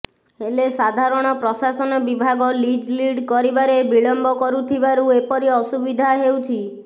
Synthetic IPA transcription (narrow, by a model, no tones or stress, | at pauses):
elesad̪ʱaɾɔɽ̃ɔpɾɔsasɔnɔbibʱaɡɔlid͡ʒliɖkɔɾibaɾebiɭɔmbɔkɔɾut̪ʰibaɾuepɔɾiɔsubid̪ʱaɦewt͡ʃʰi